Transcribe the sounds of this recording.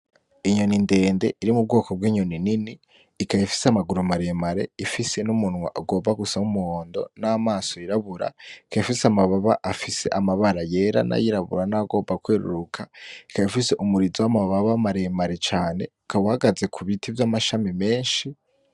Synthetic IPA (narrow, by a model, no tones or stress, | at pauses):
iɲo̞ninde̞ːnde̞ʔiɾimub̚ɡo̞ːkob̚ɡwiːɲo̞nininiː | kajifi̥seamaɡuɾumaɾe̞maɾe̞ifise̞numunwa̰ʔaɡo̞ːmbaɡusaumuhoːndo̞̰naːmaːso̞iɾaβuɾa̰ikajifiseamaβaβaʔafise̞̰ʔamaβaɾaje̞ɾa̰na̰jiɾaβṵɾanaɡo̞ːbakweːɾṵɾukʰai̥kajifise̞ʔumuɾizowamaβaβamaɾemaɾe̞t͡ʃaːne̞̰ | kaβuhaɡaze̞kʰuβitʰivjamaʃamime̞ːnʃi